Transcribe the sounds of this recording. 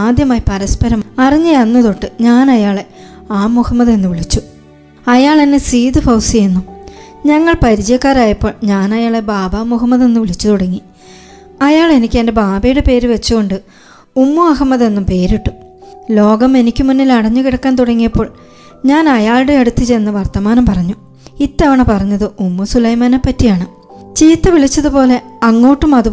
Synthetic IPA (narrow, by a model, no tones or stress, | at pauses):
aːd̪jɐmaːjipɐɾɐspɐɾɐmɐriɲːɐɐnːɐðo̞ʈːɨɲaːnɐjaːɭe̞ | aːmuhɐmːɐðe̞nːuʋiɭit͡ɕːu | ɐjaːɭɐnːesiːd̪ɨfɐwsiɐjunːu | ɲɐŋːɐɭpɐɾit͡ɕɐjɐkːaːɾaːjɐpːo̞ːɭɲaːnɐjaːɭe̞baːbaːmuɦɐmːɐðe̞nːuʋiɭit͡ɕːut̪uɽɐŋːi | ɐjaːɭe̞nikʲːende̞baːbɐjuɽepe̞ːɾuʋet͡ɕːuɣo̞ɳɖɨ | umːuɐɦɐmːɐðe̞nːumpe̞ːɾiʈːu | lo̞ːɡɐme̞nikʲːumunːilɐɽɐɲːukiɽɐkːaːnt̪uɽɐŋːijɐpːo̞ːɭ | ɲaːnɐjaːɭɽeːɽut̪ːit͡ɕejnːɐʋɐrt̪ɐmaːnɐmpɐrɐɲːu | it̪ːɐʋɐɳepɐrɐɲːɐðɨumːusulɐjmaːnepːɐtːijaːɳɨ | t͡ɕiːt̪ːɐʋiɭit͡ɕːɐðupo̞ːle̞ɐŋːo̞ːʈːumɐðu